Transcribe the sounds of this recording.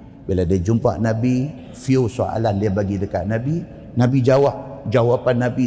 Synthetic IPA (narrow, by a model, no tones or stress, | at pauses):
biladiəd͡ʒumpa̰ʔnãbi | fiusoʔa̰landiəbaɡidəka̰ʔ̚nãbi | nãbid͡ʒawaʔ̚d͡ʒawapanːabi